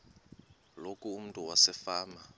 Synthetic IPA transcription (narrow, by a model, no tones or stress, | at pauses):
lokʼuːm̩tʼuwasɛfaːma